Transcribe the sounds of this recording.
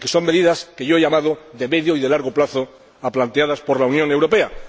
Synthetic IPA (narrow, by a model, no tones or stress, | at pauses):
ke̞so̞ŋme̞ðiðaske̞ʝoe̞ʝamað̞oðe̞me̞ðjoiðelaɾɣoplaθo | aplant̪eaðaspo̞ɾlaunjoŋe̞wɾo̞pe̞a